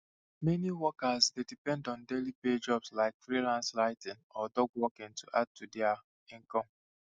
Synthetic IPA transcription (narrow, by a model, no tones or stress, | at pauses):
mɛniwɔkazdedipɛ̃ndɔ̃ndeliped͡ʒɔbslaɪkfɾilãnslaɪtɪ̃nɔdɔɡwɔkɪ̃ntuʔad̚tudɪa | ĩŋkɔ̃m